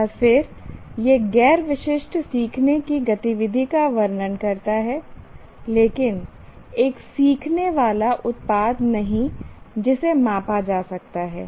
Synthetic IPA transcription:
afɪɾjeɡɛːɾʋɪʃɪʃʈʰsiːkʰnekiɡɐt̪iʋɪd̪ʱikaʋɐɾnənkɐɾt̪aɦɛ | leːkɪn | eːksiːkʰneʋaːlaʔʊt̪̚paːd̪nɐɦĩd͡ʒɪsemãːpad͡ʒaːsɐk̚t̪aɦɛ̰ː

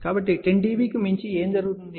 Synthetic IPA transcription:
kaːbɐʈːiʈeɳʈiːbiːkimiɲt͡ʃieːnd͡ʒɐɾuɡut̪und̪i

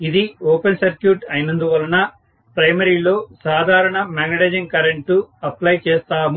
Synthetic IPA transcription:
id̪ioːpensɐɾkjuːʈɐjnɐnd̪uʋɐlːɐnɐ | pɾɐjmɐɾilo̞ːsaːd̪ʱaːɾɐɳɐmaːɡnɐɽed͡ʒɐŋkɐɾeɳʈuɐplɐjt͡ʃeːst̪aːm

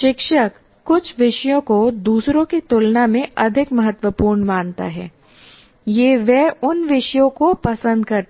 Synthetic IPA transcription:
ʃɪkʃəkː | ʊt͡ʃʰʋɪʃjõkod̪uːsɾõkit̪ʊlnamẽʔɐd̪ʱɪkmɐɦət̪ʋəpuːɾɳʋaːnt̪a̰ɦɛː | jeːʋɛʊnʋɪʃjõkopɐsə̃nd̪̚kɐɾt̪

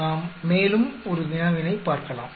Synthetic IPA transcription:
aːmːeːlɯmɔɾɯʋɪnɐʋɪnɐɪpːaːɾkɐla̰ːm

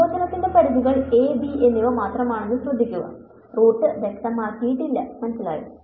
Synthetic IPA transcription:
oːsɐnɐt̪ːinde̞pɐɽibiɣɐɭe̞ːbie̞nːiʋɐmaːt̪rɐmaːɳenːuɕrɐd̪ʱːikʲːuɣɐ̰ | roːʈːɨʋekt̪ɐmaːrkijiʈːildɐmɐnɐsːila̰ːjɨ̰

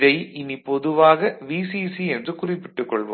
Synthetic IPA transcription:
ðɐɪɪnipɔðɯʋaːɣɐʋiːsisiɛndrɯkʊrɪpːɪʈːɯkːɔɭʋo̰

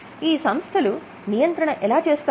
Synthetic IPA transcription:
iːsɐmst̪ʰɐlu | nijɐnt̪ɾɐɳɐʔɛlaːt͡ʃeːst̪a

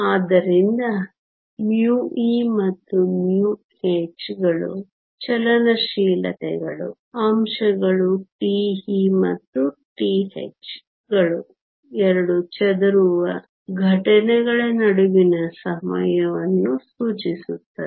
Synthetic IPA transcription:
aːd̪ɐɾind̪ɐ | mjuːimɐt̪ːumjuː | heːt͡ʃɡɐɭṵ | t͡ʃɛlɐnɐʃiːlɐ̰t̪ɛɡɐɭṵ | ɐmʂɐɡɐɭuʈiːhimɐ̰t̪ːuʈiːɦḛt͡ʃ | ɡɐɭu | ɛɾɐɽut͡ʃɛd̪ɐɾuʋɐ | ɡʱɐʈɐnɛɡɐɭɐnɐɽuʋinɐsɐmɐ̰jɐʋɐnːusuːt͡ʃisut̪ːɐe

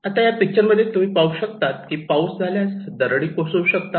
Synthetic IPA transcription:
at̪ajapik̚t͡ɕəɾməd̪ʱjet̪um̤iːpauɕəkt̪at̪kiːpausd͡zʱaljasd̪əɾɽiːkosouɕək̚t̪a

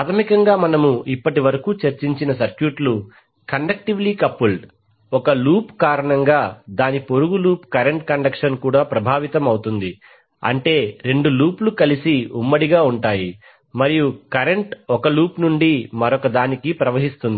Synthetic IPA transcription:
aːt̪ʰɐmikɐŋɡaːmɐnɐmuʔipːɐʈiʋɐɾɐkuːt͡ʃɐɾt͡ʃiɲt͡ʃinɐsɐɾkjuːʈlu | kɐɳɖɐk̚ʈiʋliːkɐpːuɭɖ | ɔkɐluːpkaːɾɐɳɐŋɡaːd̪aːnipo̞ɾuɡuluːpkɐɾeɳʈkɐɳɖɐkʂɐnkuːɽaːpɾɐbʱaːʋit̪ɐmɐwt̪und̪i | ɐ̰ɳʈe̞ːɾe̞ɳɖuluːplukɐlisiumːɐɽiɡaːuɳʈaːji | mɐɾijukɐɾeɳʈɔkɐluːpnuɳɖimɐɾɔkɐd̪aːnikipɾɐʋɐɦist̪und̪i

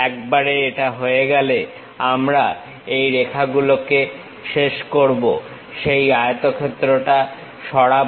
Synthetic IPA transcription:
ɛk̚baɾeeʈaɦoeɡɛle | amɾa | ejɾekʰaɡuloke | ʃeʃkoɾbo̰ | ʃejaeot̪okʰet̪ːɾoʈa | ʃɔɽa

